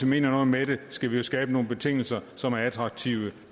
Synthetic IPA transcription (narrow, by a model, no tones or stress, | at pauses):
ime̝̰ːnɐnɔ̽ð̩ˠmeɾ̥esɡ̥æʋijo̝sɡ̥ɛːb̥əno̝ːn̩be̝t͡sʰe̝ŋ̰l̩sɐsɒ̽mæɐæt͡sʰʁɑ̈ɡ̥̚t͡sʰiʊə